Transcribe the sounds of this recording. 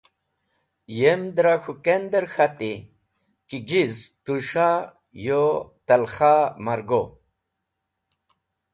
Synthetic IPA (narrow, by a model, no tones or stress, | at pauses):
jemd̪ɾaxukend̪əɾxat̪i | kiɡizt̪uʂa | jot̪ɐlxamɐɾɡo